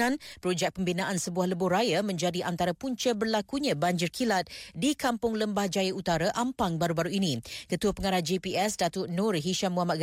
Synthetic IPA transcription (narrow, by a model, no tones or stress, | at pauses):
ãnpɾod͡ʒɛk̚pəmbinãʔansəbuahləbʊɾajamə̃ɲd͡ʒadiʔant̪aɾapuɲt͡ʃəbərlakuɲãbaɲd͡ʒɪrkʰilat̪̚dikampʊŋləmbahd͡ʒajaut̪aɾaʔampaŋbaɾubaɾuinĩkət̪uapəŋaɾahd͡ʒepiɛsdat̪ʊnũrɦiʃamuamat̪̚ɡ